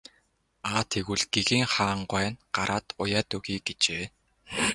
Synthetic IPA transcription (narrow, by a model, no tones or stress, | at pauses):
aːt̪ʰeɣuɮɡ̥eɣiːŋχaːɴɢwæːnɢaɾʔaːt̪ʊjaːt̪ɵɣiːɡet͡ɕeː